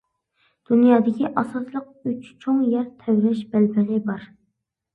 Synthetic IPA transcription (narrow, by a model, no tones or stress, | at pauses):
d̪̥unjɑːd̪ɪkʲiʔɑsɑslˠəq̚yt͡ʃt͡ʃʰoŋjɛɾt̪ʰɛwɾɛʃbælpʰɪlɪbɑɾ